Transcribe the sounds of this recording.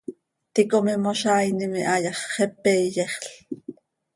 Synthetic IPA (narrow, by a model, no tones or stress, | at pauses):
t̪ikomimoʃɑːjnimiʔɑjɑχːɛpːejeχɬ